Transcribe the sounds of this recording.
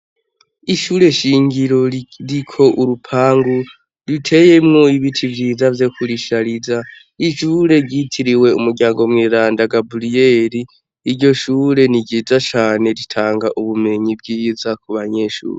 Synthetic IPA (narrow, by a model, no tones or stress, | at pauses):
iʃuɾe̞ʃiːŋɡiɾo̞ɾikʰo̞ʔuɾupʰaːŋɡu | ɾitʰe̞je̞mŋoiβitʰivjiːzavjo̞kʰuɾiʃaɾiza | iʃuːɾe̞ɟitʰiɾiwe̞ṵmuɾɟaːŋɡo̞mŋeːɾaːndaɡabulijeːɾiː | ɾɟo̞ʃuːɾe̞niɟiːd͡zat͡ʃaːne̞ɾitʰaːŋɡaʔuβume̞ɲibɡiːzakuβaɲe̞ʃṵːɾe